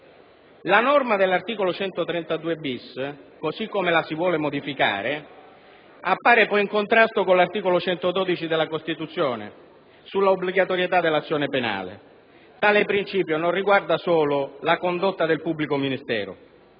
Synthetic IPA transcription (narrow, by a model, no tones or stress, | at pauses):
lanɔrmad̪elːart̪iːkolot͡ʃɛnt̪ot̪ɾɛnt̪ad̪uːebiskosikːomelasivwɔːlemod̪ifika̰ːɾe | apːaːɾepɔjiŋkont̪ɾast̪okolart̪iːkolot͡ʃɛnt̪od̪ɔːd̪it͡ʃid̪elːakost̪it̪ut̪sːjɔːnɪ̰ | sulːaobliɡat̪oɾjet̪ad̪elat̪sːjɔːnepena̰ːlḛ | t̪aːlɪpɾint͡ʃiːpjononriɡward̪asoːlʊlakond̪ot̪ːad̪elpubːlikominist̪ɛ̰ːɾʊ̰